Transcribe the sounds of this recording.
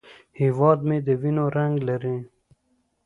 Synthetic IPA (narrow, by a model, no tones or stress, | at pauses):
hiwɑd̪med̪əwinoɾaŋɡlaɾĩ